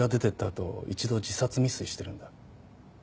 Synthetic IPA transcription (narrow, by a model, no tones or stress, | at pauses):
ad̪e̞t̪e̞t̪ːat̪o̞̰ḭt͡ɕid̪o̞d͡ʑisat͡sɨmʲisɨiɕi̥t̪e̞ɾɯ̟̃nd̪a